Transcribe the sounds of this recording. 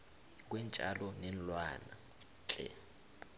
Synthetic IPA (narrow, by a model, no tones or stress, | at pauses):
k̬wɛnt͡ʃʼa̰lɔnɛnlwana̰ | t͡ɬʼɛ̰